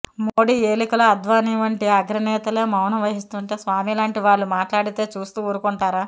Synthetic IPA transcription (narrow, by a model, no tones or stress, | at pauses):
moːɽiːeːlikɐlɐɐd̪ʋaːniːʋɐɳʈiɐɡɾɐnɛːt̪ɐleːmɐwnɐʋɐɦist̪uːɳʈeːsʋaːmilaːɳʈiʋaːɭːumaːʈlaːɽit̪e̞ːt͡ʃuːst̪uːuːɾukuɳʈaːɾaː